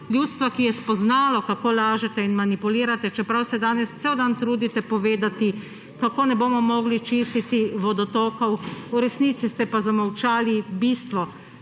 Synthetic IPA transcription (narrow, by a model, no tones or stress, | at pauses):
ljut̪st̪ʋakijɛspɔznaːlɔkakoːlaːʒɛt̪ɛinmanipuliːɾat̪ɛt͡ʃɛpɾawsɛd̪aːnɛst̪sɛwd̪ant̪ɾuːd̪it̪ɛpɔʋeːd̪at̪i | kakoːnɛboːmɔmɔːɡlit͡ʃist̪it̪iʋɔd̪ɔt̪oːkɔwuɾɛsniːt̪sist̪ɛpazamawt͡ʃaːlibiːst̪ʋɔ